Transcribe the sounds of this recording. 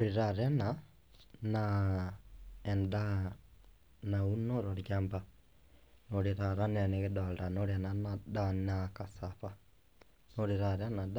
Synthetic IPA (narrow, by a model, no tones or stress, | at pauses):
ɾiɾaɾɛna | na | ɛnda | naunoɾoɾjaːmba | noɾeɾaɾanɛneɣɛdalɾanoɾɛnanadanakasaβa | noɾeɾaɾɛnad